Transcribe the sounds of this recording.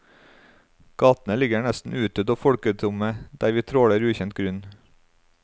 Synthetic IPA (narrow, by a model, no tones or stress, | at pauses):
ɡ̥ɑːt̪n̩əlɪɡəɳɛst̪n̩ʉːt̪əd̪oːfɔɽkət̪ʰɾʊməd̪æːɾʋiːt̪ʰɾoːɽəɾʉːçɛnt̪̚ɡɾʉn